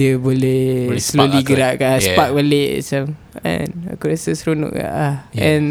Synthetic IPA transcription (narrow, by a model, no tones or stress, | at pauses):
iəbolɛhsloliɡəɾaʔkasəpak̚bəlḛsam | ɛ̰̃na̰kuɾasəsɾunʊ̰ʔka̰ʔlaɛ̃n